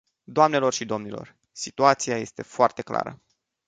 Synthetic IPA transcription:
d̪oamne̞lo̞rʃid̪o̞mnilo̞̰r | sit̪uat̪sijaje̞st̪e̞foart̪e̞kla̰ɾə̰

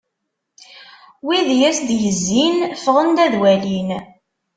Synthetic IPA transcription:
wiðjæsd̪jəzːinfəʁənd̪æðwælin

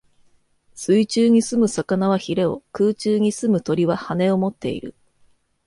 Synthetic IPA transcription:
sɨit͡ɕɨːɲ̟isɨmɯ̟sakanaβaçiɾe̞o̞̰kɯːt͡ɕɨːɲ̟isɨmɯ̟t̪o̞ɾʲiβahane̞o̞mo̞t̪ːe̞̰ḭɾɯ̟̰

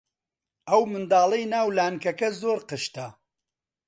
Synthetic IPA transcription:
ʔɐwmɨnd̪aːlˠɐjnaːwlaːnkɐkɐzoːɾqɨʃt̪ɐ

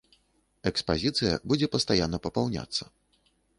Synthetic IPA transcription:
ɛkspazʲit̪sɨjɐ̰bud͡zʲɛpɐst̪ajanːɐpɐpawnʲa̰t̪sːɐ

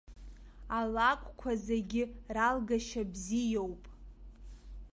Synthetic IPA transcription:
alakʷʼkʷʰazaɡʲɪralɡaʃabzijowpʼ

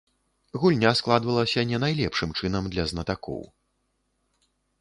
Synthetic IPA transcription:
ɣulʲnʲasklˠad̪vɐlˠɐsʲɐnʲɛnajlʲɛpʂɨmt͡ʂɨnɐmd̪lʲɐznɐt̪akɔ̰w

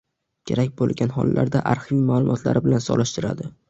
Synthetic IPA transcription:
kʲʰe̞ɾak̚ʲbolˠɡʲanɦɒlˠːʔa̰ɾd̪aʔaɾhvimaːlˠʊmʔɒt̪ʰla̰ɾʔɪbɪlansɒlˠɪʃt̪ɪɾa̰d̪ɪ

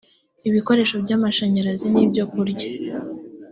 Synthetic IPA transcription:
iβiko̞ɾe̞ːʃo̞bɟaːmaʃaɲaɾazinibɟo̞kuɾɟḁ

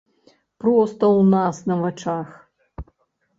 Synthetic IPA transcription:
pɾɔst̪ɐwnasnɐvɐt͡ʂax

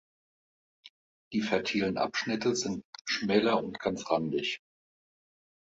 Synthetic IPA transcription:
d̥iːfɛɐtʰiːlənʔa̰pʃnɪtəzɪntʃmɛːlɐʊntɡ̥ant͡sʁandɪç

